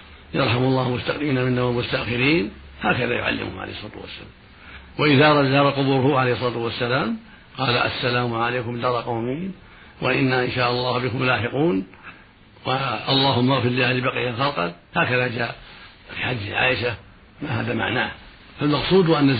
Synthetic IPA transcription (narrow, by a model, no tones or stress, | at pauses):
jɑɾˤħamɑlˤːɑːhmʊst̪aqiːnamɪnːawamʊst̪aʔxɪɾiːn | haːkaðajʊ̰ʕa̰lːɪ̰mhʊ̰mʕa̰ḛːhsˤɑːt̪wa̰sːa̰laːm | waʔɪðaɾˤɑd͡ʒɑːɾˤɑqʊbuːɾʊhʊʕalejhsˤɑlɑːt̪ʊwasːalaːm | qɑːlaʔa̰sːalaːmʕalajkʊmd̪ɑɾˤɑqɑwmiːn | wa̰ʔɪnːaʔɪnʃaːʔɑlˤːɑːhbɪkʊmjʊlaːħɪquːn | waʔɑlˤːɑːɦʊmːaɣfɪɾlɪalɪbaqijaxɑlqɑ̰n | haːkaðad͡ʒaːʔ | fiħad̪ːʕa̰ːʔɪʃa | maha̰ːðama̰ʕnaːh | falmɑqsˤuːd̪ʔanːa